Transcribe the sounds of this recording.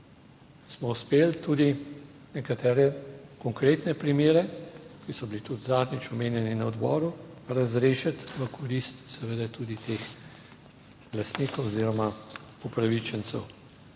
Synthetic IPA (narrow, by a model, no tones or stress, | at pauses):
smɔuspeːlt̪uːd̪i | nɛkat̪ɛːɾɛkɔŋkɾeːt̪nɛpɾimeːɾɛkisɔbilit̪ud̪zaːd̪nit͡ʃɔmeːnjɛninɐɔd̪bɔ̰ːɾuɾazɾeːʃat̪ʋəkʰɔɾist̪sɛʋəd̪ɛt̪uːd̪it̪eːx | last̪niːkowɔziːɾɔma | upɾaʋit͡ʃɛnsɛ̰w